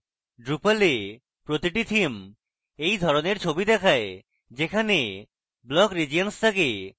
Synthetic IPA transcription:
ɖɾupale | pɾot̪iʈit̪ʰim | ejd̪ʱɔɾoneɾt͡ɕʰobid̪ɛkʰae | d͡ʑekʰane | blɔkɾid͡ʑianst̪ʰake

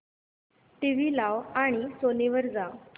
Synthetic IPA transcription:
ʈiʋiːlaʋaɽ̃isoneʋəɾd͡zaw

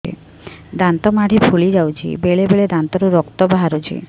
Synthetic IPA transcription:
ḭ | d̪ant̪ɔmaɽ̤ʱipʰulid͡ʒawt͡ʃʰḭbeɭebeɭed̪ant̪ɔɾuɾɔkt̪ɔbaɦaɾut͡ʃʰḭ

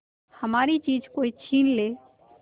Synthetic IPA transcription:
həmaːɾit͡ʃiːd͡ʒkoːit͡ʃʰiːnleː

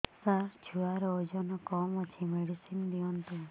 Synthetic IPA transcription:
saɾt͡ʃʰuaɾod͡ʒɔnɔkɔmɔt͡ʃʰimeɽisind̪iɔnt̪u

